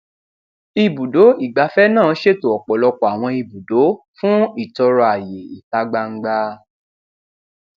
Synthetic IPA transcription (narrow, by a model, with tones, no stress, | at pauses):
i˧˨bu˨do˨˦i˦˨ɡ͡ba˧fɛ˦nãː˦˨˦ʃe˦˨to˨ɔ˨k͡pɔ˨lɔ˧k͡pɔ˨a˨w̃ɔ̃˧i˧˨bu˨do˨˦ | fũ˦i˦˨tɔ˧ɾɔ˧a˨je˨i˨ta˧˦ɡ͡ba˧ŋ̩˦ɡ͡ba˧